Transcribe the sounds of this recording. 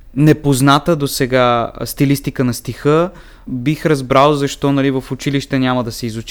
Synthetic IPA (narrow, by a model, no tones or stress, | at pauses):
nɛpoznat̪əd̪osɛɡast̪ilist̪ikənɐst̪ixə | bixɾɐzbɾalˠzɐʃt̪ɔnɐlivɐfʊt͡ʃiliʃt̪ɛnʲjaməd̪ɐsɛizut͡ʃ